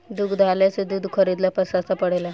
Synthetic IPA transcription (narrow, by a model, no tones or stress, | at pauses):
d̪ukʰd̪ʱalasud̪ʱːud̪kʰəɾid̪lapəsast̪apəɽela